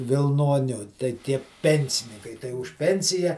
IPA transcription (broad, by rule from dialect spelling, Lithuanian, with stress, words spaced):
ʋʲɪlˠˈnoːnʲʊ tɐɪ ˈtʲiɛ ˈpʲɛnʲsʲɪnʲɪŋkɐɪ tɐɪ ʊʃ ˈpʲɛnʲsʲɪjɛ